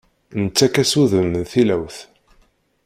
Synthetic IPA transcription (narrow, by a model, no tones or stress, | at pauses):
nət͡sːækæsuðənθilæwθ